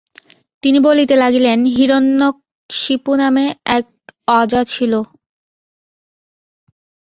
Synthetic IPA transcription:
t̪inibolit̪elaɡilenɦiɾonːok̚ | ʃipunameɛk̚ɔd͡ʑat͡ɕʰilo

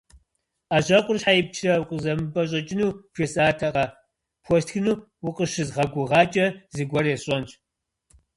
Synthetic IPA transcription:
aːʑɐqʷʼʊrɕħajɪp̚t͡ʃʰrɐwqʼəzɐmɨbʼɐɕʼɐt͡ʃʼɪnuːpesʼaːtʰɐqɐ | pʰʷɔstxɨnuː | wʊqəʃɨzʁɐɡʷʊʁɑːt͡ʃʼɐzɨɡʷɔrɛɕʼɔnt͡ʃʰʼ

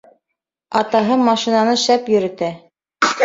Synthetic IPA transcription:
ɑt̪ɑɦɤmɑʃinɑnɤʃæpjɵ̆ɾɘ̆t̪æ

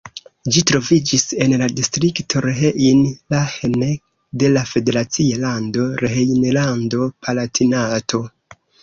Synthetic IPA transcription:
d͡ʒitɾo̞vid͡ʒise̞nladistɾiktʰo̞ɾeɦeʔinlahene | de̞lafe̞de̞ɾat͡sialando̞ɾeɦejnelando̞pʰalatʰinatʰo̞

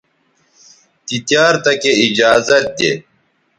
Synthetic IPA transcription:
t̪it̪jaːɾt̪ɐkeid͡ʑaːzɐt̪̚d̪ḛː

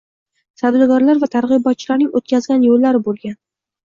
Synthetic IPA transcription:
t̪ʰad̪ɪɡɒɾlaɾvat̪ʰaɾʁɨjbɒt̪̚t͡ʃʰɪlaɾnɪŋʔot̪̚kʲazɡʲanjolːaɾɪbolˠɡʲan

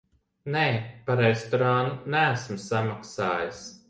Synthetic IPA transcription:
neːpaɾɛst̪oɾanunææsmsamaksaːjas

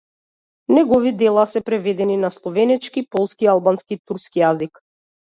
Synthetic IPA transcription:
nɛɡɔvid̪ɛlˠasɛpɾɛvɛd̪ɛninaslˠɔvɛnɛt͡ʃkipɔlˠskialˠbanskit̪uɾskijazik

